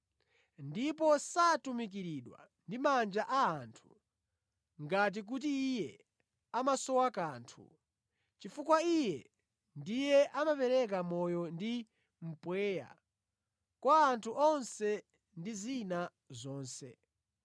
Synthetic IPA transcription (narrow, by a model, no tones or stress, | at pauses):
ndipɔsatumik̬iɾiɗwa̰ | ndimand͡ʒaʔaːntʰu̥ | ŋɡat̬ik̬ut̬iːjɛ | amasɔwakaːntʰṵ | t͡ʃifukwaijɛ̰ | ndijɛʔamapɛɾɛk̬amɔjɔndi | m̩pwɛːja̰ | kwaːntʰuʔɔnsɛ | ndizina | zɔːnsɛ̰